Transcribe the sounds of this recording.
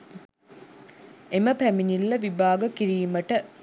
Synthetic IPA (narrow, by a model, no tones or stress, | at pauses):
eməpæminilːɐʋibaːɡɐkiɾiːmɐʈə